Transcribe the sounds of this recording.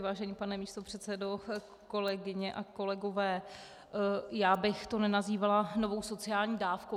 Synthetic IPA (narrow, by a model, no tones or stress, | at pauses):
vaːʒɛniːpanɛmiːst̪o̞pr̝̥ɛt̪sɛdo̞ | ko̞lɛɡɪɲɛʔako̞lɛɡo̞vɛː | jaːbɪxt̪o̞nɛnaziːvalano̞vo̞wso̞t͡sɪaːlɲiːdaːfko